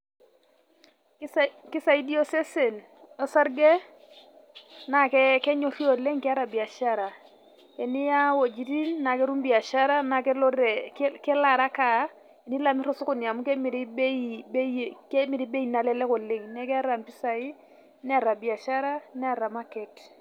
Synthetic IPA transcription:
ki˦sa˨i˦di˦o˦se˦se˨n | ɔ˦sa˦ɾɡe˦ | na˨kɛ˦kɛ˦ɲo˨ɾi˦o˨le˦ŋkɛ˦a˦ɾa˨bi˨a˨ʃa˦ɾa˨ | e˨ni˦ja˦wo˨d͡ʒi˨ti˦nːa˨ke˦ɾu˦mbi˨a˨ʃa˦ɾa˦na˨kɛ˦lo˦e˨kkɛ˦la˨ɾa˦ka˨˦ | e˨ni˦la˨mi˦ɾo˦su˦ku˦˨ni˨a˨mu˦ke˦mi˨ɾi˦be˦bke˦mi˨ɾi˦be˦i˨na˨lɛ˦lɛ˦ko˨le˦ŋnɛ˦kɛ˦ɾa˨mpi˦sa˨i˦ | n˦a˨ɾa˨bi˨a˨ʃa˦ɾa˦nɛ˦a˨ɾa˨ma˦kɛ˨t

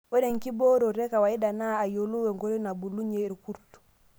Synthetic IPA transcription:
wɔ˦deŋki˦bo˦ɾo˨ɾɛ˦ka˨wai˦danaː˦˨jolu˦wɛ˨ŋɡo˦ɾi˦na˨bu˨lu˦ɲei˨ɾku˦ɾtu̥

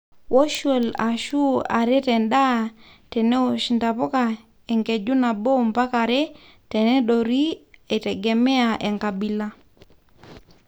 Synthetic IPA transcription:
wo˦ʃwo˨la̰˨ʃu˦a̰˨ɾe˦tɛ˨nda˦ | tɛ˨ne˦o˨ʃnta˨pɔ˦ka˨ | e˨ŋke˨d͡ʒu˦na˨bo˦mpa˦ka˨ɾe˦ | tɛ˨nɛ˦do˨ɾi˦e˨tɛ˨ɡɛ˨mɛ˦a˨ʔe˨ŋka˨bi˨la˦

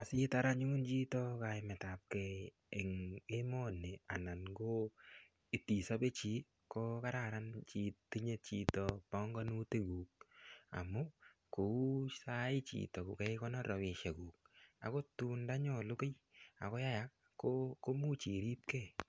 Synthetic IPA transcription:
a˨si˦ta˦ɾa˦ɲu˦nt͡ʃi˦tɔ˦ka˨ɪmɛ˨ta˨p̚kɛ˨ | e˨ŋe˦mɔ˦nːe˨a̰˨na˨nɡo˦ | e˨ti˨sa˦be˦t͡ʃi˨˦ | ko˦ka˦ɾa˨ɾa˦nt͡ʃi˨tːi˦ɲe˦t̚t͡ʃi˦tɔ˨pɔ˦ŋɡɔ˦nu˦te˦ɡuː˨k̚a̰˨mʊ˦ko˨u˦sa˦ɪ˦t͡ʃḭtɔ˨ku˨kɛ˦kɔ˦nɔ˦ɾɔ˨wɪ˨ʃe˨ɡuː˨k̚a̰˨ko˦tu˦nda˦ɲɔ˨lu˦ke˦j | a̰˨kɔ˦ja˦ja˨˦k | kːoko˦mu˦t͡ʃi˨ɾi˦p̚ke˦

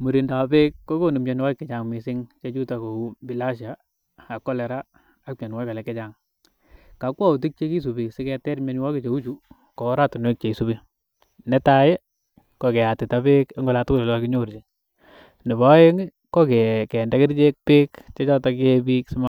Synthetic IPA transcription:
mu˨ɾi˨nda˨pe˦kːo˦ko˦ni˨mɲo˨n˦wa˦jkːɛ˨t͡ʃa˨ŋmi˨sɪ˦ŋt͡ʃe˦t͡ʃu˦ta˨ko˨u˦bi˨la˦ʃaː˨ | kːɔ˦lɛ˨ɾaː˦ | k̚mjɔ˨nwa˦ka˨lɛ˨kːɛ˦t͡ʃa˨ŋ | ka˨˦kwa˦u˨t̬i˦k̚t͡ʃe˦ki˦s̬u˨bi˨ksɪ˦kɛ˧tɛ˦ɾme˦ɲ˦wɔ˦ke˦t͡ʃe˨u˦t͡ʃu˨ | kɔ˨˦ɾa˦tu˨nwe˦k̚t͡ʃe˨i˨su˦bi˦ | nɛ˦ta˦je˦ | ko˨kɛ˨a˨tɪ˨ta˦be˦ke˦ŋɡo˦la˨tko˦lɔ˨lɔ˦ki˦ɲo˦˨ɾt͡ʃi˨ | nɪ˨bɔ˦e˦ŋ | ko˦ke˨kɛ˨ndɛ˦kɪ˦ɾt͡ʃe˦k̚pe˦kt͡ʃe˦t͡ʃɔ˦tɔ˦ke˧bi˦ksɪ˦ma˦

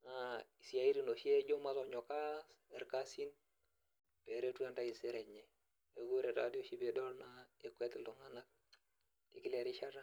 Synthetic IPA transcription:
na˨i˨si˨ja˨i˦ɾi˨no˨ʃi˦e˦d͡ʒo˦ma˦to˨ɲo˨ka˦e˨ɾka˦si˦n | b̥e˨ɾe˦tu˦a˦nta˦i˨si˦ɾe˨ɲe˨ | e˨ɡu˦ɾe˨ɾa˨di˦o˦ʃi˦be˨dɔ˦lna˦e˦kwe˦ti˨lu˨ŋa˦na˦k̚ | ḭ˨ki˦le˨ɾi˦ʃa˦ɾa˦

